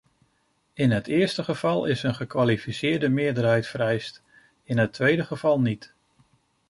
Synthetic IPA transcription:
ɪnɦətʰɪːɹstəχəv̥ɑlˠɪsənχəkʋalifisɪːɹdəmɪːɹdərɦɛjtfəɾɛjst | ɪnɦətʰʋejdəχəv̥ɑlˠnit

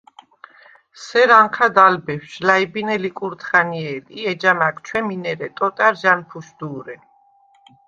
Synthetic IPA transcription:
sɛɾaŋqʰad̪albɛfʃlaibinɛlikʼuɾt̪ʰχaniɛliɛd͡ʒamakt͡ʃʰwɛminɛɾɛt̪ʼɔt̪ʼaɾʒanpʰuʃd̪̥uːɾɛ

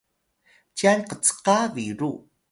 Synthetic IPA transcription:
t͡ɕianqət͡sə̥qaviɾu

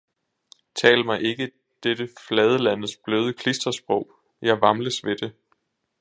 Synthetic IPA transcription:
t͡sʰɛ̰ːlmɑ̈ɪʔe̝ɡ̥ə | d̥ed̥əflɛð̞ˠəlænð̩ˠsb̥løːð̞ˠəkʰlisd̥ɐsb̥ʁɔ̽ʊ̰ | jɑ̈ɪʋɑ̈mləsʋe̝d̥e̝

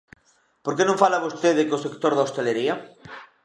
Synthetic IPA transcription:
poɾkenõŋfalaβost̪eðekosekt̪oɾðaost̪eleɾiɐ

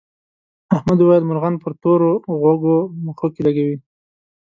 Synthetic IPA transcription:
ahmad̪uwajəlmʊɾɣanpəɾt̪oɾoɣoɡoməxokelaɡawi

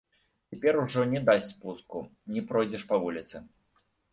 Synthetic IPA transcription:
t͡sʲɛpʲɛɾuʐɔnʲɛd̪asʲtʲspuskunʲɛpɾɔjd͡zʲɛʂpɐvulʲit̪sɨ

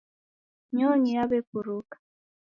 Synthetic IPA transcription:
ɲɔɲijaβepuɾukḁ

